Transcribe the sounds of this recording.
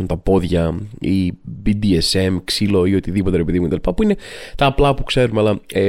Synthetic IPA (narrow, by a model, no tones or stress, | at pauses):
unt̪ɐpo̞ðʝɐibid̪iese̞mksilo̞io̞t̪iðipot̪eɾepiðimuket̪ɐlipɐpuine̞t̪ɐːplɐpukse̞ɾumeɐlɐe